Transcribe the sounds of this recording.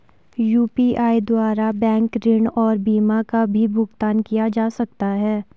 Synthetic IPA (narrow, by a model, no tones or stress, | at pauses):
juːpiʔaːid̪waːɾabɛ̃ːŋkɾɪɳɔːɾbiːmakabʱibʱʊɡt̪aːnkijad͡ʒaːsɐk̚t̪aɦɛː